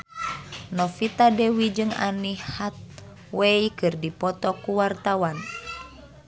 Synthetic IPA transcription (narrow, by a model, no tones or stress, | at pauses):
nɔfit̪adewid͡ʒɨŋa̰nihat̪̚ | weikɨrdipɔt̪ɔkuwart̪awan